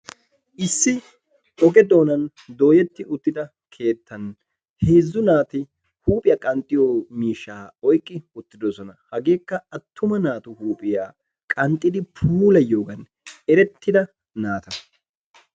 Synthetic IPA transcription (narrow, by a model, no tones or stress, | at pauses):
ʔɪsːɪ | ʔɔɡɛd̪o̞ːnɐn | d̪o̞ːjɛt̪ːɪʔʊt̪ːɪd̪ɐ | kʰe̞ːt̪ːɐn | he̞ːzːʊnaːt̪ɪ | huːpʼɪjaːkʼɐnt̪ʼːɪjoːmiːʃːaːɔjkʼːɪʊt̪ːɪd̪ɔsɔnɐhɐɡe̞ːkːɐɐt̪ːʊmɐnaːt̪ʊhuːpʼɪjaː | kʼɐnt̪ʼːɪd̪ɪpʰuːlɐjo̞ːɡɐn | ɛɾɛt̪ːɪd̪ɐ | naːt̪ɐ